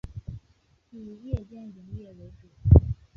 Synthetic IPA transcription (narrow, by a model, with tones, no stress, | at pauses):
i˨˩jɛ˥˧t͡ɕjɛ˥˩ni˧˥ŋjɛ˥˩we˧˥ɪʈ͡ʂu˨˩˦